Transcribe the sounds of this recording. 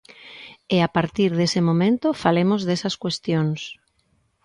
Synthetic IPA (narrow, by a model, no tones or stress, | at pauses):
eapaɾt̪iɾðesɪmomẽnt̪ofalemozðesɐskwest̪joŋs